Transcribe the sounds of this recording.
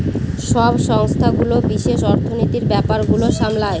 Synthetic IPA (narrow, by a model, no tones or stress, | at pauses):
ʃɔbʃɔŋst̪ʰaɡulobiʃeʃɔɾt̪ʰonit̪iɾbɛpaɾɡuloʃamlae